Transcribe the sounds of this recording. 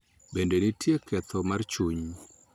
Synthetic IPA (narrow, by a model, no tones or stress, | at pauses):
bendenitjekʰɛt̪ʰɔmart͡ʃuɲ